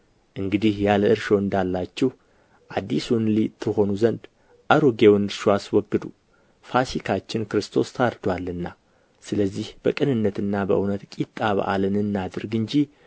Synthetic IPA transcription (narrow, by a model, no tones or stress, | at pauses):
ʔɨŋɡɨd̪ihjaləɨɾʃo̞ɨnd̪alːat͡ʃːɛh | ʔad̪ːisunlit̪ʰːɨho̞nuzənd̪ | ʔaɾoɡewnɾʃuaswɔɡːɨd̪u | fasikʰat͡ʃːɪnkɨɾɨst̪ʰo̞st̪ʰaɾd̪walːɨnːa | sɨləzːihb̥əkʼɨnɨnːət̪ɨnːabəʔɨwnət̪kʼit̪ʼːaβa̰ʔa̰lɨnɨnːad̪ɨɾɡɨɲd͡ʒi